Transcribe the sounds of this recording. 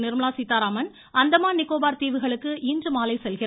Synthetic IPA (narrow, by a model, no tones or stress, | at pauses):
nɪɾmɐlaːsit̪ːaːɾaːmɐn | ɐnd̪ɐmaːnɪkːoːbaːɾt̪iːʋɯɣɐɭɯkːɯʔiːndrɯmaːlɐɪsɛlɣɪɾ